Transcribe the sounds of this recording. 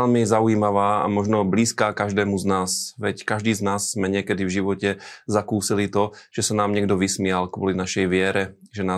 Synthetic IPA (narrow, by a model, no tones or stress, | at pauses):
ɛlmizaujiːmaʋaːa̰mɔʒnɔbliːskaːkaʒd̪ɛːmuznaːsʋɛckaʒd̪iːznaːsːmɛɲɪɛkɛd̪ivʒiʋɔcɛzakuːsilit̪ɔʒ̥ɛsanaːmɲɪɛɡ̚d̪ɔʋismɪalkʋɔlinaʃɛjʋɪɛɾɛʒɛnaː